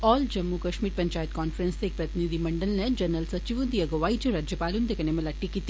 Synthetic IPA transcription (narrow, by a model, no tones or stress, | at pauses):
ɔːld͡ʒɐmːukɐʃmiːɾpɐɲt͡ʃaːjɐt̪̚kaːnfɐɾenst̪eːk̚pɾɐt̪inid̪ʱimɐɳɖɐlnɐd͡ʒɐɾnːɐlsɐt͡ʃiʋund̪ijɐɡɐʋaːjd͡ʒɐɾaːd͡ʒjɐpaːlund̪ekɐnemɐlɐʈːikit̪ː